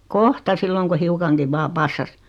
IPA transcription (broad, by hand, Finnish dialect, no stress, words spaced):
kohtɑ silːoŋ ku hiukɑŋkiʋ ʋɑː pɑsːɑs